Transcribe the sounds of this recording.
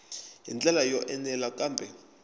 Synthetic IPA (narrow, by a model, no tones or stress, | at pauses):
ɦḭnt͡ɬʼɛlajɔʔɛnɛlakaːmbʱɛ